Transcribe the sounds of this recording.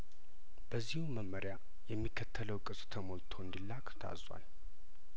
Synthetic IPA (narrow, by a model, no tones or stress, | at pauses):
b̥əzːihuməmːəɾja | jɛmːikʰːət̪ʰːələwkʼɨsʼt̪ʰəmolt̪ʰo̞ɨnd̪ilːakt̪ʰa̰zwa̰l